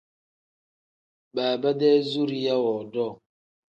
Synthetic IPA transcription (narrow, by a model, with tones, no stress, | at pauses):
ba˨ba˦de˦zu˦ɾi˦ja˦wɔ˨dɔ˦˨